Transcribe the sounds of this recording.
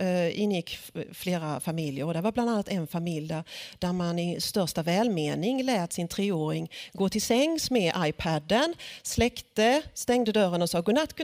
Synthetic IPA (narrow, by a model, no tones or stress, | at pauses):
ɪnːjɪkːfleːɾafamɪljəɾɔd̪æɾvaɾbland̪anːat̪ɛnfamɪljd̪æɾd̪̥æɾmanɪst̪œʂt̪avɛːlmeːnɪŋlɛːt̪sɪnt̪ʰɾeːoːɾɪŋɡoːt̪ʰɪlsɛŋːsmɛʔajpʰæd̪ənslɛkt̪əst̪ɛŋd̪əd̪œɾənɔsɑːɡɵnat̪kʰ